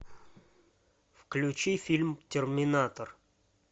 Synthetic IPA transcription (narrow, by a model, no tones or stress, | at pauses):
fklʲʊt͡ɕifʲilʲmtʲɪrmʲɪnat̪ər